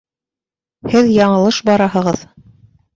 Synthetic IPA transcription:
hɘðjɑɴɤ̆lˠɤʃbɑɾɑɦɤ̆ʁɤð

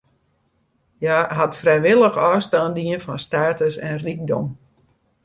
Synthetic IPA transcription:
jaːɦatfrɛjʋɪlˠəxɔːstaːndiənfɔnstaːtəsɛ̰nrik̚dɔ̰m

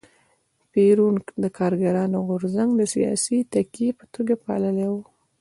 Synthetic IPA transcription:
peɾuŋkd̪əkʰɑɾɡaɾɑnoɣʊɾzaŋɡd̪əsḭjɑ̰sit̪akijepə̥t̪oɡapɑ̰ləlewu

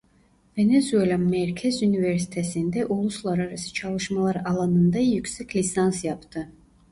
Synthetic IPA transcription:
venezuelʲamɛɾkʲʰɛzuniveɾsi̥t̪ʰesind̪ɛʔulˠuslˠaɾaɾasi̥t͡ʃʰɑlˠɯʃmalˠaɾɑlˠɑnɯnd̪ajykʲsɛkʲʰlʲisansjɑpʰt̪ʰɯ

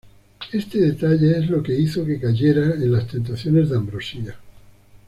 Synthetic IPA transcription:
e̞st̪e̞ð̞e̞t̪aʎeezlo̞ke̞iθo̞ke̞kaʝe̞ɾaenlast̪e̞nt̪̬aθjo̞ne̞zðeambɾo̞sia

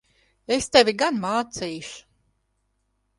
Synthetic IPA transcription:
est̪evʲiɡanmaːt̪siːʃu̥

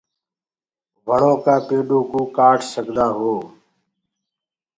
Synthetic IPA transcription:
ʋəɳõːkaːpeːɗoːkuːkaːʈʰsəɡʱd̪aːɦoː

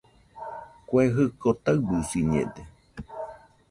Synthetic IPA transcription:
kweɦɨkot̪aɨbusiɲḛd̪e

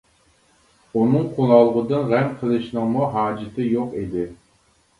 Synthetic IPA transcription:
unɨŋqʰolˠɑlˠʁəd̪ɨnʁɛmqʰəlˠɨʃnɨŋmuɦɑːd͡ʒɪt̪ʰɨjoqid̪ɪ

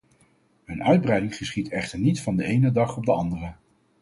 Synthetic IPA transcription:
ənœɥd̚brɛjdɪŋχəsχitʰɛχtəɹnitfɑndəejnədɑχɔb̚dəɑndərə

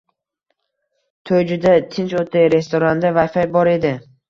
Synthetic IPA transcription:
t̪ʰojd͡ʒʊd̪at̪ʰɪnt͡ʃot̪ʰejɾe̞st̪ʰoɾand̪avajfajbɒɾe̞d̪ɪ

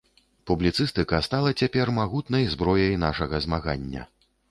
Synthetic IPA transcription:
publʲit̪sɨst̪ɨkɐst̪alˠɐt͡sʲapʲɛrmaɣut̪nɐjzbɾɔjɐjn̪aʂɐɣɐzmaɣa̰nʲːɐ̰

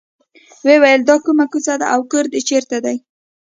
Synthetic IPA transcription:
wewajəld̪ɑkumakusad̪a̰ʔawkəɾd̪ət͡ʃeɾt̪ad̪aj

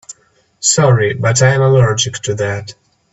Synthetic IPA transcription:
sɔɹibʌtãɪɨ̃məlɔɹd͡ʒɪktʰuðæt

